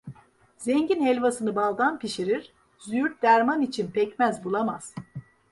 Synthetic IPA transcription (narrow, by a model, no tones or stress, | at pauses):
zɛɲɟinhɛlʲvasɯnɯbalˠd̪anpiʃiɾiɾ̥ | zyyɾ̚d̪æɾmanit͡ʃʰinpʰɛcmæzbulˠamaz̥